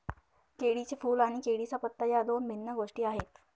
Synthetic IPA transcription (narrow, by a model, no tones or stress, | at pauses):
keɽit͡sefuːlaɽ̃ikeɽisapət̪ːajad̪onbʱinːəɡoʂʈiːaɦet̪